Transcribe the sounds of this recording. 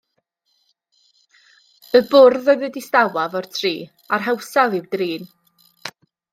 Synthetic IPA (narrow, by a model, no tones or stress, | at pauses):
əbʊrðəðədistawavɔr̥tʰriː | arɦɛwsavˠɪwdriːn